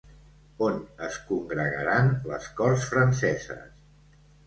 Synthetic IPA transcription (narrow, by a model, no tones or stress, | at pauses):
onəskuŋɡɾəɣəɾanlə̰skɔrsfɾənsɛzə̰s